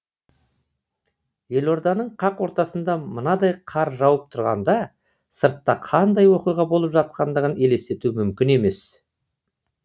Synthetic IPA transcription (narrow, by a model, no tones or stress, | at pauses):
je̞lo̞ɾd̪ɑnəɴqʰɑqwo̞ɾt̪ɑsənd̪ɑmənɑd̪ɑjqʰɑɾʒɑwəp̚t̪ʰʊɾʁɑ̰nd̪ɑ | səɾt̪ːɑqʰɑnd̪ɑjwo̞qijʁɑbo̞lˠəpʒɑt̪̚qɑnd̪əʁəne̞le̞st̪e̞t̪umʏmkʲɪne̞me̞s